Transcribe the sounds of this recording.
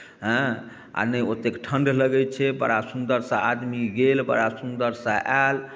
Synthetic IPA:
ɦə̃ | a̰nəjot̪ekʈʰənɖləɡɛt͡ʃʰɛbə̰ɽasund̪əɾsə̃ad̪miɡelbə̰ɽasund̪əɾsə̃ʔɛl

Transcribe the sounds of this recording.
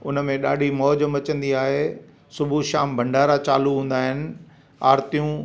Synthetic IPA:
ʊnəmẽɗa̰ːɖʱimɔːd͡ʑəmɐt͡ɕə̃nd̪iaːɦe | sʊbʱuʃaːmbʱɐ̃ɳɖʱaːɾat͡ɕaːluɦũːn̆d̪aːɦɪnɪ̆ | aːɾt̪ijũ

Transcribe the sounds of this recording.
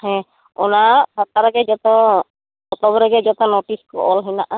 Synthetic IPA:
hɛ̃ | ɔnasat̪aɾaɡɛd͡ʒɔt̪ɔ | ɔt̪ɔbɔɾɛɡɛd͡ʒɔt̪ɔnoʈiskɔ̰ʔɔlɦɛnaʔa

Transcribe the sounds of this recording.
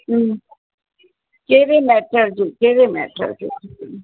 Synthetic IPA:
keːɾemɛːʈəɾd͡ʒukeːɾemɛ̰ːʈə̰ɾd͡ʒṵː

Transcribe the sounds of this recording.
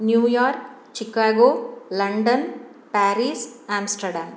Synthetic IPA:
njuːjaːɾk | t͡ʃikaːɡoːlɐɳɖɐn | paːɾiːsaːmsʈɐɾɖaːm

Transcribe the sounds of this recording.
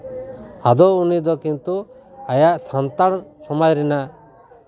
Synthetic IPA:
ad̪ɔunid̪ɔkint̪u | ajaʔsant̪aɽsɔmajɾɛnaʔ

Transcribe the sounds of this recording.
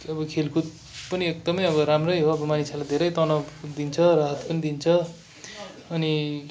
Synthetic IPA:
ʌbʌkʰelkʰut̪̚ | pʌniek̚d̪ʌmʌjʌbʌɾamrʌjɦoʌbʌmanisʰalad̪ʱeɾʌjt̪ʌnʌd̪int͡sʰʌraɦʌt̪pʌnid̪int͡sʰʌ | ʌni

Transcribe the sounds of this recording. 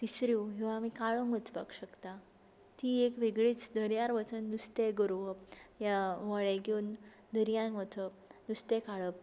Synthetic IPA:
t̪isɾiɦĩʋaːmikaɭəŋʋət͡spa̰kɕəkt̪a | t̪iːekʋeɡɭiːt͡sd̪ʱəɾjaɾʋət͡sənːust̪eɡəɾuʋəjaʋəɭeɡon | d̪ʱəɾjãnʋət̪ʰə | nust̪ekaɭəp

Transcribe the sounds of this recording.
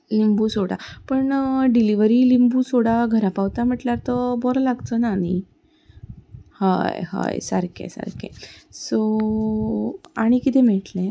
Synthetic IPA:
limbusoɽa̰pəɳɖiliʋəɾilimbusoɽaɡʱəɾapawt̪am̤əʈlaɾt̪əbɔɾlaɡt̪ənani | ha̰jha̰jsəɾkʰḛsə̰ɾkḛso | aɽ̃ikit̪ʰẽmɛɭʈlẽ

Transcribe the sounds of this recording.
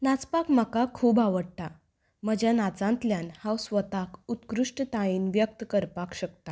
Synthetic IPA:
nat͡spakmakakʰuːbaʋəɽt̪a | məd͡ʑjanat͡sãnt̪ljanhawsʋət̪akut̪kɾuʂʈt̪aiːnʋjək̚t̪əkəɾpakɕəkt̪a

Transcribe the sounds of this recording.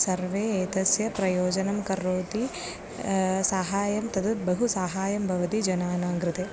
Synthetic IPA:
sɐɾʋeːeːt̪ɐsjɐpɾɐjoːd͡ʒɐnɐmkɐɾːoːt̪i | saːɦaːjɐmt̪ɐd̪ɐbɐɦusaːɦaːjɐmbʱɐʋɐt̪id͡ʒɐnaːnaːŋɡɾɪt̪e

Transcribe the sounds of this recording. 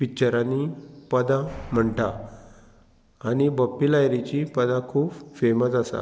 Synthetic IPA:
pit͡ɕəɾanːipəd̪ãm̤əɳʈa | añibəpːilajɾit͡ɕipəd̪ãkʰuːbfeməsasa̰

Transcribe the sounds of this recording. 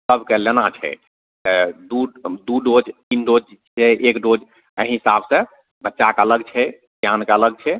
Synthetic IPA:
səbʱkelenat͡ʃʰɛ̰ | t̪əd̪ud̪uɖod͡ʒt̪inɖod͡ʒt͡ʃʰɛʔekɖod͡ʒ | ə̰ɦĩɦisabʱsə̃ | bətːʃakələɡ̚t͡ʃʰɛ | d̪jankeələɡ̚t͡ʃʰɛ

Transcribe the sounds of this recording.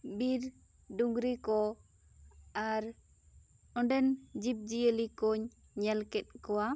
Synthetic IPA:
biɾ | ɖuŋɡɾikɔ | aɾ | ɔɖɛnd͡ʒip̚d͡ʒiəlikɔɲ | ɲɛlkɛt̪̚ˀkɔwa

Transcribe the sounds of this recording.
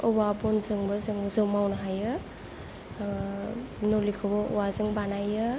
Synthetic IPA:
ɔwabɔnzɯŋbɯzɯŋzɯwmawnɦajɯ | nolikʰɯbɔʔɔ̰wazɯŋbanajɯ

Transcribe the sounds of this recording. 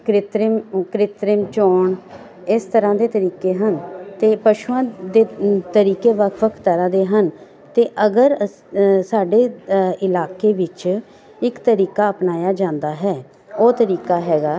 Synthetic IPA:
kɾɪt̪ɾəmkɾɪt̪ɾəmt͡ʃoːɳ | ɪst̪əɾãːd̪eːt̪əɾiːkeːɦənt̪eːpəʃuãːd̪eːt̪əɾiːkeːʋəkʰʋəkʰt̪əɾãːd̪eːɦən | t̪eːʔəɡəɾ | saːɖeːɪlaːkeːʋɪt͡ʃ | ɪkt̪əɾiːkaːəpnaːjaːd͡ʒãːnd̪aːɦɛː | oːt̪əɾiːkaːɦɛːɡaː

